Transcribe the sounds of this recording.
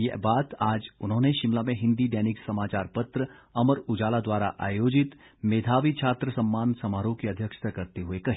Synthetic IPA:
jɛbaːt̪aːd͡ʒʊnɦõːneʃɪmlamẽɦɪ̃nd̪iɖɛːnɪksɐmaːt͡ʃaːɾpɐt̪ɾə | ɐməɾʊd͡ʒaːlad̪waːɾa̰ʔa̰ːjoːd͡ʒɪt̪ | meːd̪ʱaːʋit͡ʃʰaːt̪ɾəsɐ̃mːaːnsɐmaːɾõkeɐd̪ʱjəkʃt̪ʰakɐɾt̪eɦʊekɐɦiː

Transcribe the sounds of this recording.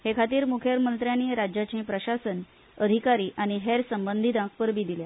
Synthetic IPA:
hekʰat̪iːɾmukʰjəɾmənt̪ɾjaniːɾad͡ʑjat͡ɕẽpɾəɕasən | əd̪ʱikaɾiːʔañiɦeɾsəmbənd̪ʱid̪ãk̚pəɾbiːd̪ilja

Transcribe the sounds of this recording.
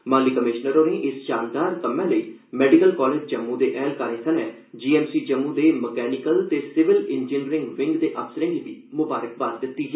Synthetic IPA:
mãːliːkəmɪʃnəɾoːɾẽːʔɪsʃaːnd̪aːɾkəmːɛ̃ːləiː | mɛːɖɪkəlkɔːleːd͡ʒd͡ʒəmːũːd̪eːʔɛːlkaːɾẽːsʰənɛ̃ː | d͡ʒiːɛːmsiːd͡ʒəmːũːd̪eːməkɛːnɪkəlt̪eːsɪʋɪlɪnd͡ʒɪːnɾɪ̃ŋɡʋɪ̃ŋɡd̪eːʔəpsəɾɪ̃ŋɡibiːmʊbaːɾək̚baːsd̪ɪt̪ːiːɦɛː

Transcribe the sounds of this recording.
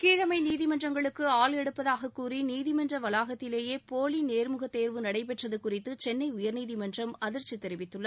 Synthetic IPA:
kiːɻɐmɐɪniːðɪmɐndrɐŋɡɐɭɯkːɯaːlɛɽɯpːɐðaːɣɐkːuːriniːðɪmɐndrɐʋɐlaːɣɐt̪ːɪleːjeːpoːlineːɾmɯɣɐt̪ːeːɾʋɯnɐɽɐɪpɛʈrɐðɯkʊrɪt̪ːɯt͡ʃɛnːɐɪʊjɐɾniːðɪmɐndrɐmɐðɪɾt͡ʃːit̪ːɛɾɪʋɪt̪ːɯɭːɐ

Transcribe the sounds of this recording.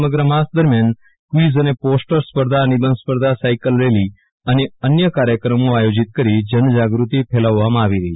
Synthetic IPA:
əməɡɾəmasd̪əɾmjan | kʋizəneposʈəɾspəɾd̪ʱanibənd̪spəɾd̪ʱasajkəlɾeli | əneənjəkaɾjəkɾəmoajod͡ʒit̪̚kəɾid͡ʒənd͡ʒaɡɾut̪ipʰelaʋːamãːʋiɾəɦi

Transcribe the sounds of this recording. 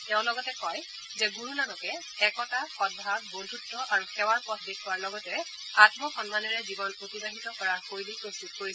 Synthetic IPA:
tɛʊ̃lɔɡɔtɛkɔj | zɛɡuɹunanɔkɛ | ɛkɔtaxɔd̚bʱab̚bondʱutːɔʔaɹuxɛwaɹpɔtʰbikʰɔwaɹlɔɡɔtɛ | atmɔxɔnmanɛɹɛzibɔnotibaɦitɔkɔɹaxojlipɹostut̚koɹi

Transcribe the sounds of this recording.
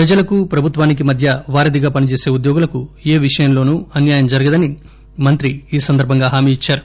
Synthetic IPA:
pɾɐd͡ʒɐlɐkupɾɐbʱut̪ʋaːnik̬imɐd̪ʱjɐʋaːɾɐd̪iɡaːpɐnit͡ʃe̞ːse̞ːud̪jɔːɡulɐkue̞ːʋiʂɐjɐmlo̞ːnuːɐnjaːjɐmd͡ʒɐɾɐɡɐd̪ɐni | mɐnt̪ɾiiːsɐnd̪ɐɾbʱɐŋɡaːɦaːmiːit͡ʃːaːɾu

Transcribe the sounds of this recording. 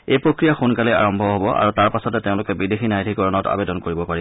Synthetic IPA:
ejpɹokɹijaxunkalɛa̰ɹɔmbʱɔɦobɔʔa̰ɹutaɹpasɔtɛteʊ̃lʊkɛbidexinajdʱikɔɹɔnɔta̰bedɔnkoɹibɔpaɹi

